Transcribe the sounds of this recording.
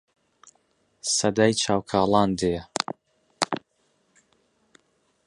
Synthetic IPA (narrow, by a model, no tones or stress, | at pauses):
sɐd̪aːjt͡ʃʰaːwkʰaːlˠɑːnd̪ejɛ